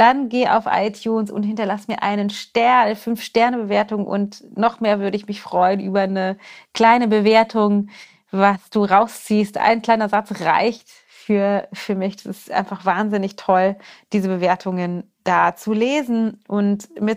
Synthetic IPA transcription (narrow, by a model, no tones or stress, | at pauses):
d̥anɡeːʔa̰ʊfʔa̰ɪtʰjuːnsʊ̰nthɪntɐlasmiːɐʔaɪnənʃtɛɐnfʏnfʃtɛɐnəbəveːɐtʊŋʔʊ̰ntnɔχmeːɐvʏɐɾəɪçmɪçfʁ̥ɔʏənʔyːbɐnəkl̥aɪnəbəveːɐtʰʊŋ | vasd̥uːʁaʊst͡siːstʔa̰ɪnkl̥aɪnɐzat͡sʁa̰ɪçt | fyːɐfyːɐmɪçd̥asɪstʔa̰ɪ̃nfaχv̥aːnzɪnɪçtʰɔld̥iːzəbəveːɐtʰʊŋən | d̥aːt͡suleːzn̩ʔʊntmɪt